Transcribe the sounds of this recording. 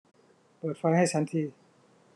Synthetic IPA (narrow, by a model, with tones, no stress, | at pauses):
pɤː˨˩t̪̚fa˧jha˥˩jt͡ɕʰa˦˥nt̪ʰiː˧˩